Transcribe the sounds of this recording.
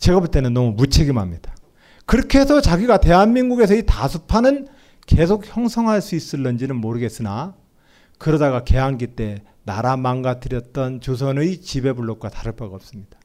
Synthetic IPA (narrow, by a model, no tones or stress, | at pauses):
t͡ɕeɡʌbuɭt͈e̞nɯnːʌmumut͡ɕʰeɡimamɲid̥ḁ | kɯɾʌkʰe̞sʰʌt͡ɕaɡiɡate̞ɦanmiŋɡuɡe̞s̬ʰʌitasʰupʰanɯn | ke̞sʰok̚çjʌŋsʰʌŋɦaɭs͈uis͈ɯɭːʌnd͡ʑinɯnmoɾɯɡe̞s͈ɯna | kɯɾʌdaɣake̞ɦaŋɡit͈e̞ | naɾamaŋɡatɯɾjʌt̚t͈ʌnt͡ɕos̬ʰʌnɯjt͡ɕibe̞buɭːok̚k͈wataɾɯɭpaɡaʌp̚s͈ɯmɲid̥ḁ